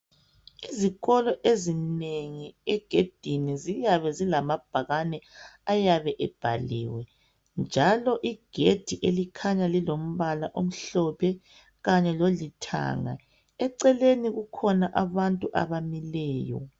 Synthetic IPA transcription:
iziɣɔlɔʔezineŋiɛɡ̥ʱed̥ʱinizijaβɛzilamab̥ʱaɣanɛajaβɛʔɛb̥ʱa̰lḭːwɛ | nd͡ʒʱalɔʔiɡ̥ʱed̥ʱiʔelikʰaɲalilom̩βalaʔom̩ɬɔpʰɛ | ɣaɲɛlolitʰa̰ːŋa̰ | ɛǀɛleniɣukʰɔnaʔaβantʼuʔa̰βamilɛːjɔ̰

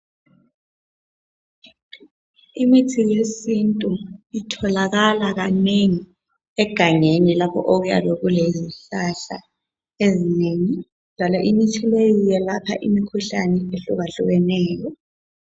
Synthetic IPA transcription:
imitʰijesintʼuitʰɔlaɣalaɣaneŋi | ɛɡ̥ʱaŋenilapʰɔ̰ʔoɣuja̰βɛɣuleziɬaɬa̰ | ezineŋi | d̥ʱalaʔinit͡ʃʼʰilejɔjɛlapʰa̰ʔimikʰuɬanɛeɬuβaɬuɣɛnɛːjɔ

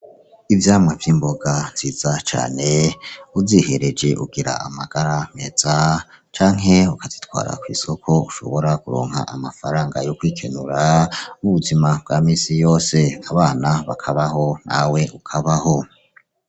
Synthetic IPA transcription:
ivjaːmŋavjiːmbo̞ɡanz̥iːzat͡ʃa̰ːne̞uzihe̞ɾe̞d͡ʒeʔṵɡiɾa̰amaɡ̥aɾame̞z̥a | t͡ʃaːŋ̥ɦe̞ukazit̪wa̰ːɾa̰kwḭːso̞kʰo̞uʃo̞̰βo̞ɾakuɾo̰ːŋ̥ha̰ʔamafaɾaːŋɡajokwiːkʰenuɾamuβuzimab̥̚ɡamiːsijo̞ːse̞aβaːnaβakʰaβaɦo̞na̰we̞ʔukʰaβaho̞

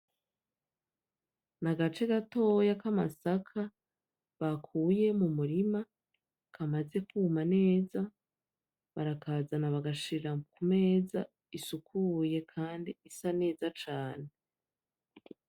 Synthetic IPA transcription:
naɡat͡ʃe̞ɡato̞jakamasakʰa | βakʰuːje̞mumuɾima | kʰamaze̞kumane̞ːza | βaɾakazanaβaɡaʃiɾakume̞ːza | isukʰuje̞kʰaːndiisane̞ːzat͡ʃaːne̞

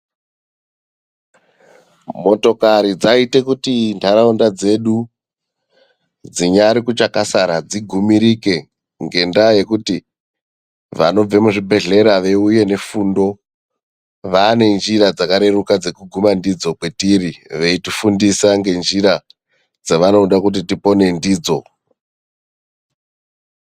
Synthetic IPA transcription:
mo̞to̞kaɾid͡zaite̞kutindaɾaundad͡ze̞ɗu | d͡ziɲaɾikut͡ʃakasaɾad͡ziɡʱumiɾike̞ | ŋɡe̞ndaje̞kuti | ʋa̰no̞b͡ve̞muʐibʱe̞ɮe̞ɾaʋe̞uje̞ne̞fuːndo̞ | ʋaːne̞nd͡ʒirad͡zakaɾe̞rukad͡ze̞kuɡʱumandid͡zo̞kwe̞tiriʋeitifundisaŋɡe̞nd͡ʒiɾa | d͡zaʋano̞ɗakut̬itipo̞ne̞ndiːd͡zo̞

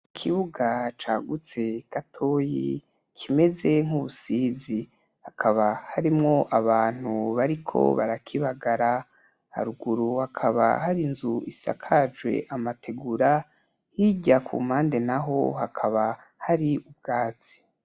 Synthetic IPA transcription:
kʰiβuɡat͡ʃaːɡut͡se̞katʰo̞ːjḭ | kʰime̞ze̞ŋ̥huβusiːzi | hakʰaβahaɾimŋo̞ʔaβaːn̥huβaɾikʰo̞̰βaɾakʰiβaɡaɾa | ha̰ɾuɡuɾuhakʰaβa̰haɾinzuisa̰kʰad͡ʒɡwe̞̰ʔamatʰe̞ɡuɾa | hiɟakʰṵːm̥aːnde̞naɦo̞̰hakʰaβa | haɾiub̚ɡaːt͡si̥

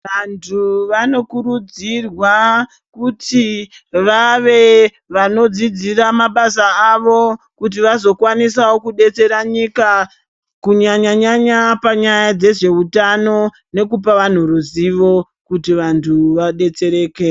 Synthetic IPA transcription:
ʋantʰuʋano̞kuɾud͡zirwa | kutiʋaʋe̞ | ʋano̞d͡zid͡ziramaɓasaaʋo̞ | kut̬iʋazo̞kwanisawokuɗe̞t͡se̞ɾaɲika | kuɲaɲaɲaɲapaɲajad͡ze̞ʐe̞utano̞ | ne̞kup̬aʋan̤uruziʋo̞ | kutiʋantʰuʋaɗe̞t͡se̞ɾe̞ːke

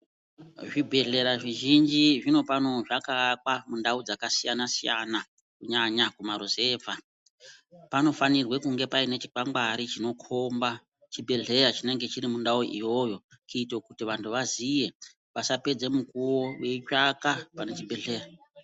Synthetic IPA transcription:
ʐibʱe̞ɮe̞ɾaʐiʒind͡ʒiʐino̞pano̞ʐakak̚wamundaud͡zakasijanasijana | kuɲaɲakumaɾoze̞ːva | pano̞fanirwe̞kuŋɡe̞paine̞t͡ʃi̥kaŋɡaɾit͡ʃino̞kʰo̞mba | t͡ʃibʱe̞ɮe̞rat͡ʃine̞ŋɡe̞t͡ʃiɾimundauʔijo̞jo̞kuːtokutiʋantʰuʋazije̞ | ʋasape̞d͡ze̞mukuwo̞weit͡ʃakapane̞t͡ʃibʱe̞ɮe̞ːra

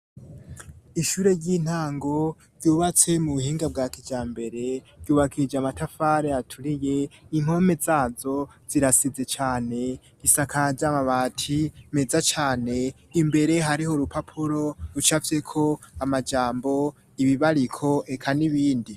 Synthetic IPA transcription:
iʃuːɾe̞ɾɟiːn̥haːŋɡo̞ | vjuːβat͡se̞muβuhiːŋɡab̚ɡaːkid͡ʒaːmbe̞ɾe̞ | ɾɟuːβakʰid͡ʒeamatafaɾeatʰuɾije̞iŋ̥o̞me̞zaːzo̞z̥iɾasize̞t͡ʃaːne̞ | ɡisakʰaɟaːmaβaːtʰime̞zat͡ʃaːne̞ | imbe̞ɾe̞ɦaɾiho̞ɾupʰapʰuɾo̞ɾut͡ʃavje̞kʰo̞amad͡ʒaːmbo̞ | iβiβaɾikʰo̞ʔekʰaniβiːndi

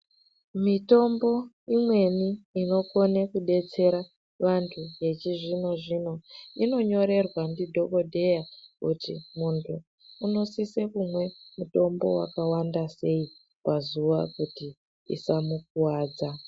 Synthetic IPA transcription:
mito̞mbo̞ | imwe̞niːno̞ko̞nekuɗe̞t͡se̞ɾa | ʋantʰuje̞t͡ʃiʐino̞ʐino̞ino̞ɲo̞ɾe̞rwandidʱo̞ko̞dʱe̞jakutḭmuntʰuː | no̞sisekumwe̞muto̞mbo̞̰wa̰kawandase̞i | pazuʋa̰kuti | ḭsamuk̚uwaːd͡za

